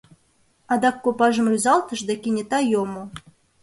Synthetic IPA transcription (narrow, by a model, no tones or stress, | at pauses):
ɑd̪ɑkːopɑʒɤ̆mrʲyzɑlˠt̪ɤ̆ʒd̪ɑkʲinʲet̪ɑjomo